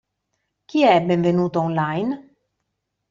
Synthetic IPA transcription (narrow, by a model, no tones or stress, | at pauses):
k̟iɛbeɱvenuːt̪oɔnlajn